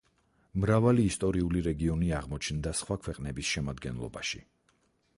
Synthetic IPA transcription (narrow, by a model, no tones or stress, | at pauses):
mɾavaliːst̪ʼɔɾiuliɾɛɡiɔniaʁmɔt͡ʃʰnd̪asχwakʰwɛqʼnɛbisʃɛmad̪ɡɛnlˠɔ̰baʃḭ